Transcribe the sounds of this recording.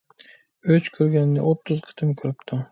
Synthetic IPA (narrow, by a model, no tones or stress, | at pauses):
ɵt͡ʃkʰɵɾɡʲanːɪ̰ʔot̪ːʊzqʰɨ̥t̪ʰɪmkʲʰɵɾɪpt̪ʰʊ